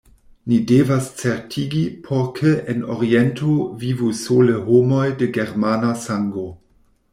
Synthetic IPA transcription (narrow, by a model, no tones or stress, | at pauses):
nidevast͡seɾtʰiɡipʰoɾkʰeeno̰ɾientʰovivusoleɦomo̞jdeɡeɾmanasaŋɡo